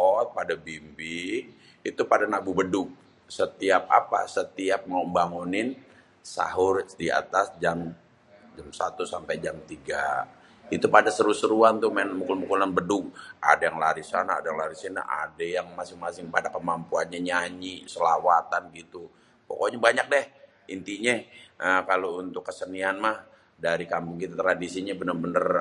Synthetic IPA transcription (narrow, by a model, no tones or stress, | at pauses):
ɔt̪̚padabimbi | it̪upadanabubədʊk̚ | sət̪iap̚a̰pa̰sət̪iap̚maumbaŋunɪn | sa̰ɦʊrdia̰t̪asd͡ʒam | d͡ʒamsat̪usampajd͡ʒamt̪iɡa | it̪upadasəɾusəɾuant̪umanmukulmukulanbədʊk̚ʔa̰dajaŋlaɾisana̰ːdajaŋlaɾisina̰ʔa̰dajaŋmasɪŋmasɪŋpadakəmampuanɲaɲaɲisəlawat̪anɡit̪u | po̰koɲabaɲak̚dɛh | int̪iɲɛʔəkalount̪ʊkːəsənianmah | daɾikampʊŋkit̪at̪ɾadisiɲabənərbənər